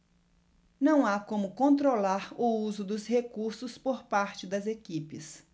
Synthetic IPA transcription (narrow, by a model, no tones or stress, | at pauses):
nɐ̃w̃akõmʊkõnt̪ɾolaɾʊuzʊd̪ʊshekuɾsʊspoɾpaɾt͡ʃɪd̪ɐzekipɪs